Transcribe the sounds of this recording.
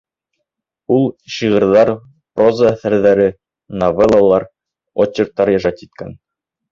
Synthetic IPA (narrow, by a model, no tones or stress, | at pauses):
ulˠɕiʁɤ̆ɾðɑɾ | prozaæθæɾðæɾɘ | novelˠalˠɑɾ | ot͡ɕːeɾ̚t̪ːɑɾjɑʒɑt̪it̪̚kæn